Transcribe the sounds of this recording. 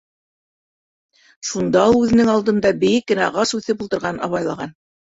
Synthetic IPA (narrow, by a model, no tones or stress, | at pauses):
ʃund̪ɑulˠʉðɘ̆nɘŋɑlˠd̪ɤ̆md̪ɑbɘ̆jɘkːɘ̆næʁɑsʉθɘpulˠt̪ɤ̆ɾʁɑnɑ̰βɑjlˠɑʁɑn